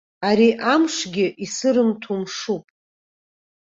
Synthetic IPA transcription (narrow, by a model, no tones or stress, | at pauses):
aɾiʔamʂɡʲɪʔisɨɾɨmtʰumʂupʼ